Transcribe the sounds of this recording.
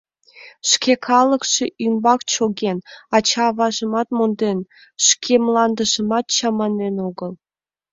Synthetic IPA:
ʃkʲekʰɑlˠɤ̆kʂĕymbɑkt͡ɕoɡʲenɑt͡ɕɑːβɑʒə̆mɑt̪mond̪en | ʃkʲʰemlˠɑnd̪ə̆ʒə̆mɑt̪t͡ɕɑmɑnːenoɡə̆lˠ

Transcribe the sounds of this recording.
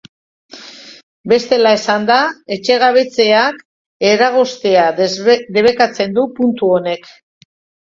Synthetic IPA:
be̞st̪e̞laesand̪ae̞t͡ʃe̞ɣ̞aβe̞t͡se̞ak | e̞ɾaɣ̞o̞st̪e̞ad̪e̞β̞e̞kat͡se̞nd̪upunt̪uo̞ne̞k

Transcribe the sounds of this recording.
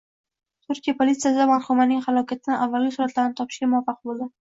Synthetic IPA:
t̪ʰʊɾkʲijapʰolit̪sijasɪd̪amaɾχumanɪŋχalɒkʲʰat̪ʰɪnɪʔavːalɡʲɪsuːɾat̪laɾnɪt̪ʰɒpʰɪ̥ʃɡʲamʊwafɑq̚bolˠd̪ɪ

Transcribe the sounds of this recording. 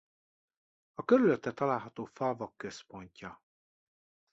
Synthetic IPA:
ɒkøɾyløt̪ːɛt̪ɒlaːlɦɒt̪oːfɒvɒkːø̞spo̞ɲcɒ

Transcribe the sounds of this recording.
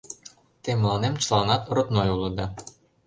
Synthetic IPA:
t̪emlˠɑnemt͡ɕlˠɑnɑt̪rŏt̪nojulˠɤ̆d̪ɑ

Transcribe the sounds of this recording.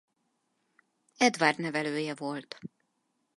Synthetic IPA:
ɛd̪vaːrd̪nɛvɛløːjɛvo̞lt̪

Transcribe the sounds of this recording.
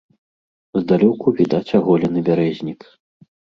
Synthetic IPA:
zd̪alʲɔkuvʲid̪at͡sʲaɣɔlʲɐnɨbʲaɾɛzʲnʲik

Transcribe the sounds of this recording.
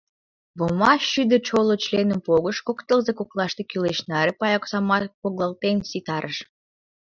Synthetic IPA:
βomɑʃyd̪ə̆t͡ɕolot͡ɕlenəmpoɣəʃkokt̪əlzekoklˠɑʃt̪ekyleʃnɑɾepɑjɑksɑmɑt̪poɣlɑlt̪ensit̪ɑɾəʃ

